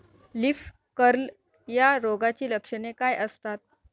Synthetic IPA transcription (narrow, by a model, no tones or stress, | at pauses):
lif | kəɾl | jaɾoɡat͡ɕiːləkʂəɳekajʔəst̪at̪̚